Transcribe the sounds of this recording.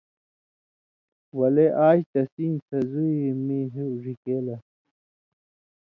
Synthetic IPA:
wɐleʔaːɕt̪ɐsinsɐzuemiɦeʐikeːlɐ

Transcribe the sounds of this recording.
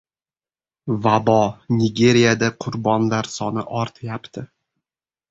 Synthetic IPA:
vabɒnʲɪɡʲe̞ɾijad̪aqʰʊɾbɒnlaɾsɒnɪʔɒɾt̪ʰɪjapt̪ʰɪ

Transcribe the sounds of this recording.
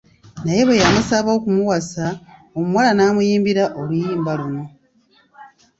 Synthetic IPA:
naje̞βejamusaβokumuwasa | omumwalanaːmujiːmbiɾaʔo̞lujiːmbaluno̞

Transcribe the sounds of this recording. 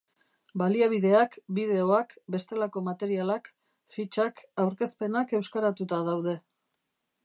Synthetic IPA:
baliaβ̞iðe̞akbið̞e̞o̞akbe̞st̪e̞lako̞mat̪e̞ɾialak | fit͡ʃakawɾke̞spe̞nake̞wskaɾat̪ut̪að̞awð̞e̞

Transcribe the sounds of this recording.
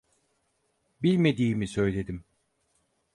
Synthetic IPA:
bilʲme̞d̪iːmisø̞jlʲe̞d̪im

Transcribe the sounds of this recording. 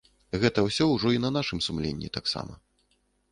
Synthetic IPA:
ɣɛt̪ɐwsʲɔwʐɔinɐnaʂɨmsumlʲenʲːḭt̪aksa̰mɐ̰

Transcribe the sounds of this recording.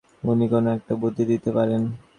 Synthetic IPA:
unikɔnoɛk̚ʈabod̪ʱːid̪it̪epaɾen

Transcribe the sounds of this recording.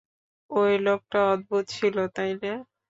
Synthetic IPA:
ojlok̚ʈaɔd̪̚but̪t͡ɕʰilot̪ajne

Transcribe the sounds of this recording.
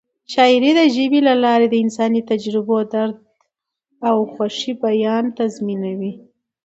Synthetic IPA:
ʃɑɪɾed̪əʒəbilalɑɾed̪əɪnsɑnit̪ad͡ʒɾɪbod̪aɾd̪̚ | awxwaʂibajɑnt̪azminawi

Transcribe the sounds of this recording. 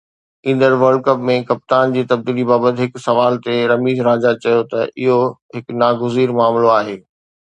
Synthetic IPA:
ĩːn̆d̪əɾʋɐɾɖ̚kɐpmẽkɐp̚t̪aːnd͡ʑiːt̪ɐb̚d̪iːlibaːbət̪ɪɦɪksɐʋaːlt̪eɾɐmiːzɾaːd͡ʑat͡ɕɐjot̪ɐʔɪɦoɦɪknaːɡʊziːɾmaːmloaːɦeː

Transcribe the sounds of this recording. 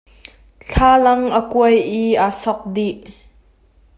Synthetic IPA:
ɬʰaːlɐŋʔəkuəjʔiʔasɔk̚diʔ

